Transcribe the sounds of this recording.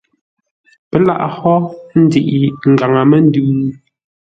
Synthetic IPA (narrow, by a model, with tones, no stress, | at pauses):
pɛ˨la̰˦ʔhɔ˦n̩˦di˨ʔi˨ŋ̩˨ɡa˨ŋa˨mɛ˦n̩˦dʉː˦